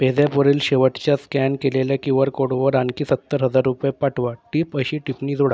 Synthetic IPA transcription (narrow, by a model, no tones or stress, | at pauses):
ped͡zjapəɾiːlɕeʋəʈt͡ɕjaskænkeleljakĩw̃ʋəɾkoɽʋəɾankiːsət̪ːəɾɦəd͡zaɾːupjpaʈʰʋaʈiːpəɕiːʈipniːd͡zoɽa